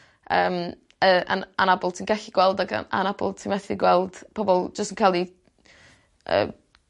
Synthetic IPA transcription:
ə̰ːm | əːa̰a̰nabɔlˠtʰinɡɛɬɪɡ̥wɛlˠdaɡa̰a̰nabɔ̰lˠtʰinmɛθɪɡwɛlˠd̥pʰɔbɔlˠd͡ʒəstənkʰalˠi | ə̰ː

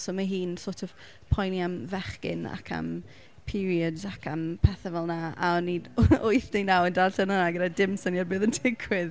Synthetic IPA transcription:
sɔːmaɦiːnsoːtʰɔv̥ | pʰɔjniamvɛχkɪ̰na̰kʰa̰m | pʰɪɾiədakʰampʰɛθavɛlˠnaaɔnːidʊjθdejnawəndaɬənanaɡədadɪmsɔniabɨːðəntʰɪkʰwɪð

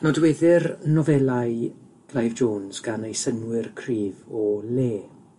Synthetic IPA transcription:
nɔdwɛðɪrnɔvɛlaj | ɡ̥lajvd͡ʒoːnz̥ɡ̥anejsənwɪrkʰriːvɔleː

